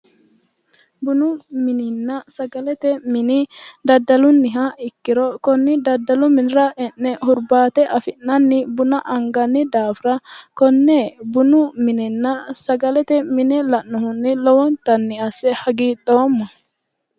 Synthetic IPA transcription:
bʊnʊmɪnɪnːɐsɐɡɐlɛt̪ɛmɪnɪd̪ɐd̪ːɐlʊnːɪɦɐɪkːɪɾɔkɔnːɪd̪ɐd̪ːɐlʊmɪnɪɾɐʔɛnːɛhʊɾbaːt̪ɛʔɐfɪnːɐnːɪbʊnɐʔɐŋɡɐnːɪd̪aːfɾɐkɔnːeːbʊnʊmɪnɪnːɐsɐɡɐlɛt̪ɛmɪnɪlɐʔnʊhʊnːɪlɔwɔnt̪ɐnːɪɐsːɛhɐɡiːɗoːmːɔ

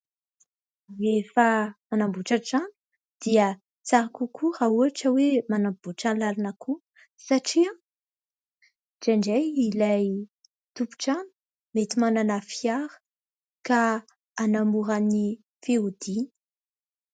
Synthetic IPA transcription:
efamanambuʈ͡ʂaʈ͡ʂani̥ | d̪̥iə | t͡saɾakukʰuɾauaʈ͡ʂəwemanamb̥uʈ͡ʂanlalinakʰu | saʈ͡ʂia | d͡ʒaɳɖ͡ʐejilaj | t̪upu̥ʈ͡ʂani̥ | met̪imananafiaɾə̥ | kaː | namuɾani | feud̪̥ini̥

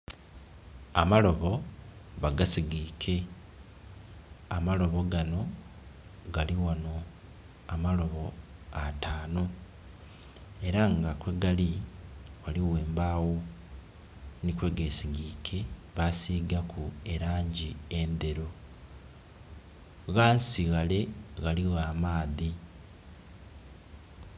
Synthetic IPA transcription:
amalo̞βo̞βaɡasiɡiːkʰe̞ | amalo̞βo̞ɡano̞ | ɡaliwano̞ | amalo̞βo̞ataːno̞ | e̞ɾaŋɡakwe̞ɡaliwaliɣweːmbawo̞ | nikwe̞ɡesiɡikʰe̞βasiːɡakʰue̞ɾaːɲɟiend̪e̞ɾo | ɣansiɣale̞ɣaliɣaːmaːði

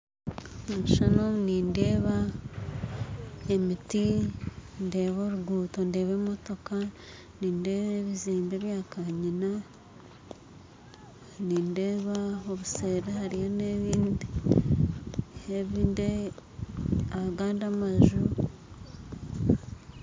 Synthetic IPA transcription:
eniʃanomniːnde̞ːβa | emiti | nde̞ːβo̞ɾuɡuːto̞nde̞ːβemo̞to̞ka | niːndeːβeβiziːmbe̞ːβjaːkaɲina | niːndeːβaoβuseːɾehaɾijoneβiːndi | eβiːnde | aβaɡaːndamaʒu

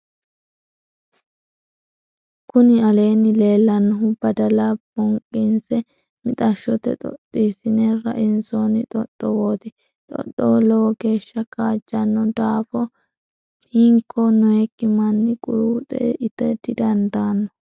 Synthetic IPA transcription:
kʊnɪɐle̞ːnːɪle̞ːlːɐnːɔɦʊbɐd̪ɐlɐb̥ɔŋkʼːɪnsɛ | mɪt̪ʼɐʃːɔt̪ɛ̰t̪ʼɔ̰t̪ʼːiːsɪnɛɾɐ̰ʔɪnsonɪt̪ʼɔt̪ʼːɔwoːt̪ɪ | t̪ʼɔ̰t̪ːɔlɔwɔɡe̞ːʃːɐkaːd͡ʒːɐnːɔd̪aːfɔ | piːŋkʰːɔnɔɛkːɪmɐnːɪkʼʊ̰ɾuːt̪ʼɛ̰ʔɪt̪ːɛd̪ɪd̪ɐnd̪aːnːɔ

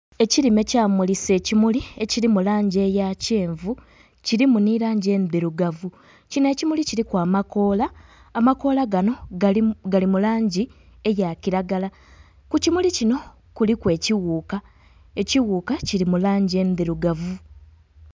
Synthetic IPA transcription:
e̞ciɾime̞caːmulise̞ːcimulie̞ciɾimulaːɲɟe̞ːjaceːɱvu | ciɾimuniɾaːɲɟe̞ːnbiɾuɡavu | cine̞ːcimuliciɾikwaːmako̞ːlaː | mako̞laɡano̞ɡalimulaːɲɟi | e̞jaciɾaɡala | kucimulicino̞ | kulikwe̞ːciwuːka | e̞ciwuːkaciɾimulaːɲɟie̞ːmbiɾuɡavu

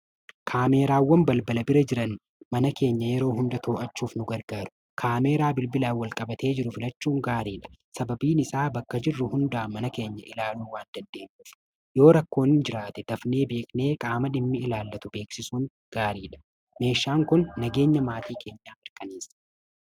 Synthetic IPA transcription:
kʰaːme̞ːɾaːwːɐmbɐlbɐlɐbɪɾɐd͡ʒɪɾɐn | mɐnɐke̞ːɲːɐjɛɾo̞ːɦʊnd̪ɐt̪ʰoːʔɐt͡ʃːuːfnʊɡɐɾɡaːɾʊ̥ | kʰaːme̞ːɾaːbɪlbɪlaːwɐlkʼɐbɐt̪e̞ːd͡ʒɪɾʊfɪlɐt͡ʃːuːŋɡaːɾiːᶑɐ̥sɐbɐbiːnɪsaːbɐkːɐd͡ʒɪrːʊhʊnd̪aːmɐnɐke̞ːɲːɐʔɪlaːluːwaːnd̪ɐnd̪e̞ːmːʊ | jo̞ːɾɐkːo̞ːnɪnd͡ʒɪɾaːt̪ɛd̪̥ɐfne̞ːbe̞ːkʼne̞ːkʼaːmɐᶑɪmːɪɪlaːlːɐt̪ʊbe̞ːksɪsuːŋ | ɡ̥aːɾiːᶑɐ̥ | me̞ːʃːaːŋkʊnːɐɡe̞ːɲːɐmaːt̪iːkʰe̞ːɲːaːʔɪɾkʼɐniːsɐ̥

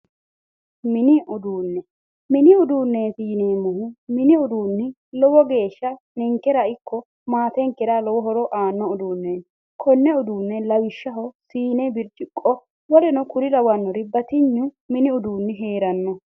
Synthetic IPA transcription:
mɪnɪʔʊd̪uːnːɛ | mɪnɪʊd̪uːnːeːsiːneːmʊɦʊmɪnɪʊd̪uːnːɪ | lɔwɔɡe̞ːʃːɐ | nɛŋkːɛɾɐɪkʰːɔ | maːt̪ɛŋkːɛɾalɔwɔɦɔɾɔʔaːnːɔʊd̪uːnːe | kʰɔnːɛʊd̪uːnːɛlɐwɪʃːɐɦɔsiːnɛbɪɾt͡ʃʼɪkʼːɔ | wɔlɛnɔkʊɾɪd̪ɐwɐnːɔɾɪbɐt̪ɪɲːʊ | mɪnɪʊd̪uːnːɪɦeːɾɐnːɔ

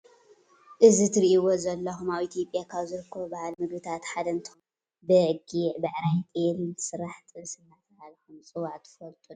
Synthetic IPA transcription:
ʔɨzit̪ʰɨɾiʔiwozɐlːɐxumaβʔit̪ʰijo̞pʼːjakʰaβzɨɾɨkʰːɐβobɐhalmɨɡbɨt̪ʰat̪ħad̪ɐnt̪ʰom | bɨɡiʕbɐʕɾajt̪ʼelint̪ʰsɨɾaħt̪ʼɨsɨnːat̪ɐhalxumt͡sʼɨwaʕt̪ʰɨ̥fɐlt̪ʼun

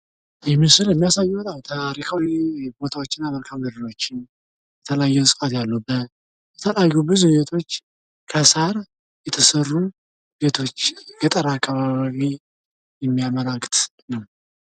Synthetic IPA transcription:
jɛmːisɨljɛmːijasajːɛt̪ʼawt̪ʰaɾikʰawbo̞t̪ʰawot͡ʃːɪnːaməlkʰaməɾiɾo̞t͡ʃːɪn | jɛt̪ʰələjajːɛsʼɨfʼat̪jalːubːət̪ | jɛt̪ʰəlajubɨzujɛt̪ʰo̞t͡ʃː | kʰəsaɾ | jɛt̪ʰəsərːu | bet̪ʰo̞t͡ʃːɡət̪ʼəɾaːkːaβaβaβi | jɛmːijaməlakʼt̪ʼ | nəw

